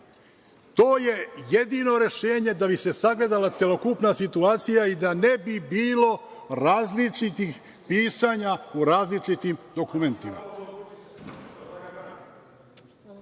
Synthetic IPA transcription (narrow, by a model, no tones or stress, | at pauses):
t̪o̞ːje̞jed̪ino̞ɾe̞ʃeːɲe̞d̪abise̞saɡle̞d̪alat̪sjelo̞kupnasit̪uaːt̪sijaid̪ane̞bibiːlo̞ɾaːzlit͡ʂit̪ix | piːsaːɲauɾaːzlit͡ʃit̪imd̪o̞kume̞nt̪ima̰